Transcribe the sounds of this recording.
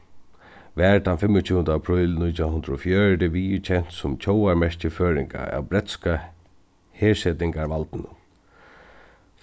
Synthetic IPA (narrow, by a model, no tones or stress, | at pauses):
ʋæːɹd̪anfɪmːʊt͡ɕʰuːənd̪apʰɾʏːlnʊjt̪ʰahʊnd̪ɾɔfjœːɹd̪ɪʋiːjt͡ɕʰɛn̥t̪sʊmt͡ɕʰowaɹmɛʂcəføːɾɪŋka̰a̰wbɾɛt̪ska | heːsɛt̪ɪŋkaɹʋalt̪ɪnʊn